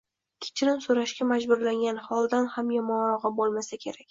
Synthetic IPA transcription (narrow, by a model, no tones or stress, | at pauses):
kʲʰɪ̥t͡ʃʰɪɾɪnsoɾaʃkʲamad͡ʒbʊɾlaŋɡʲanhɒlˠd̪anhamjɒmɒnɾɒʁɨbolˠmasakʲʰe̞ɾakʲ